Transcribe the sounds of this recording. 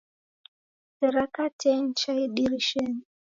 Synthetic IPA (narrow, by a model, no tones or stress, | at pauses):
sɛɾakatʰɛnt͡ʃaiɗiɾiʃɛni